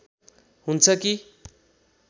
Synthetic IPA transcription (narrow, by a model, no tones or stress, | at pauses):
ɦunt͡sʰʌki